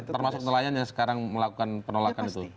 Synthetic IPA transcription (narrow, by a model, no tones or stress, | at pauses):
t̪ərmasʊk̚nəlajanjaŋsə̥kaɾaŋməlakukanpənolakanit̪u